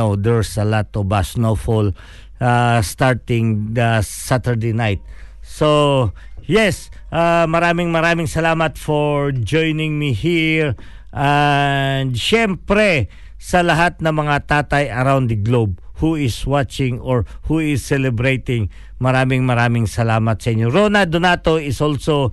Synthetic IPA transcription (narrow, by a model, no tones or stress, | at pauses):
owd̪ɛɹsɐlat̪ɔvasnofʊl | ast̪aɹt̪ɪ̃ŋd̪ɐsat̪əɹd̪ejnajt̪̚so | jɛsʔamɐɾaːmɪŋmɐɾaːmɪŋsɐlaːmɐt̪fɔɹd͡ʒojnɪŋmihiɹ | ʔa | nd̪ʃɛmpɾɛ | sɐlɐɦat̪̚nɐŋmɐŋat̪aːt̪ɐjɐɾawnd̪d̪ɐɡlob̚huɪswat͡ʃɪ̃ŋɔɹhuɪsːɛlɛbɾejt̪ɪŋ | mɐɾaːmɪŋmɐɾaːmɪŋsɐlaːmɐt̪sɐʔɪɲːoɹonad̪ʊnat̪oɪsʔolso